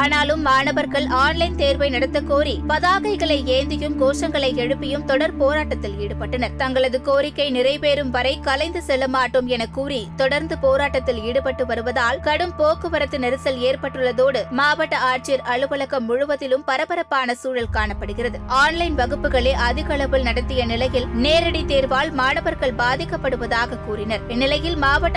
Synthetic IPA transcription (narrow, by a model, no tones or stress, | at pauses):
aːnaːlɯmːaːɳɐʋɐɾɣɐɭaːnlɐɪnt̪eːɾʋɐɪnɐɽɐt̪ːɐkoːɾipɐðaːɣɐɪɣɐɭɐɪeːnd̪ɪjɯmɡoːʂɐŋɡɐɭɐɪɛɻɯpːɪjɯmt̪ɔɽɐɾpoːɾaːʈːɐt̪ːɪliːɽɯpːɐʈːɐnɐɾt̪ɐŋɡɐɭɐðɯkoːɾɪkːɐɪnɪɾɐɪpeːɾɯmʋɐɾɐɪkɐlɐɪnd̪ɯsɛlːɐmaːʈːɯmɛnɐkːuːɾit̪ɔɽɐɾnd̪ɯpoːɾaːʈːɐt̪ːɪliːɽɯpɐʈːɯʋɐɾɯʋɐðaːlkɐɽɯmpoːkːɯʋɐɾɐt̪ːɯnɛɾɯsɐleːɾpɐʈːɯɭːɐðoːɽɯmaːʋɐʈːɐaːɾt͡ʃɪjɐɾʔɐɭɯʋɐɭɐkːɐmːʊɻʊʋɐtðɪlɯmpɐɾɐpɐɾɐpːaːnɐsuːɻɐlkaːɳɐpːɐɽɯɣɪrɐðɯaːnlɐɪnʋɐɣɯpːɯɣɐɭeːʔɐðɪɣɐɭɐʋɯɭnɐɽɐt̪ːɪjɐnɪlɐjɪlneːɾɐɽit̪iːɾʋaːɭmaːɳɐʋɐɾɣɐɭbaːðɪkːɐpːɐɽɯʋɐðaːɣɐkuːɾɪnɐɾɛnːɪlɐjɪlmaːʋɐʈː